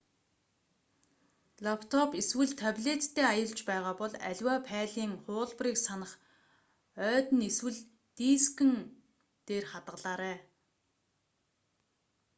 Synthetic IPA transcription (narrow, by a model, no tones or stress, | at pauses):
ɮɔkʰt̪ʰɔpiswɘ̆ɮt̪ʰapʲɮet̪ːʰeːajə̆ɮt͡ɕpæːʁaːpɔɮæ̰ɮʲwaːpʰæːɮiːŋχʊːɮpriːksanə̆χ | œːt̪ɘ̆neswɘ̆ɮ | t̪iːskɘ̆n | t̪eːrχat̪ʁə̆ɮaːɾæː